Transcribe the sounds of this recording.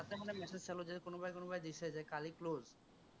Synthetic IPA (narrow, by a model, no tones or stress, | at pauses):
at̪emonemɛsed͡ʑt͡ɕʰɛlod͡ʑekonobajkonobajd̪iʃʰed͡ʑajkalikloz